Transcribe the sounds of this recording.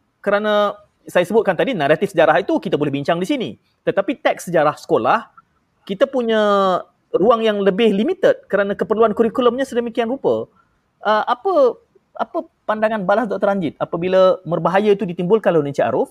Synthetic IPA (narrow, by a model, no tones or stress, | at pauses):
kəɾanã | sajasəbʊt̪̚kant̪adinaɾat̪ifsəd͡ʒaɾaɦit̪ukit̪abolɛɦbiɲt͡ʃaŋdisinḭ | t̪ət̪apit̪ɛk̚səd͡ʒaɾahsə̥kolah | kit̪apuɲã | ruaŋjaŋləbɪhlimit̪ət̪̚kəɾanãkəpərluankuɾikuləmɲasədəmikianrupə | ʔəʔapə | ʔapə | pandaŋanbalasdɔʔt̪əɾaɲd͡ʒɪt̪̚apəbiləmərbaɦajəit̪udit̪imbʊlkanlanə̃ɲsiʔa̰ɾʊf